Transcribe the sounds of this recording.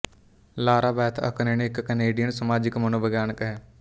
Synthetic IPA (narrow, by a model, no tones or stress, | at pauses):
laːɾaːbɛːt̪ʰə̰kəneneɪkːəneːɖijənsəmaːd͡ʒɪkmənõːbəɡjaːnkɦɛː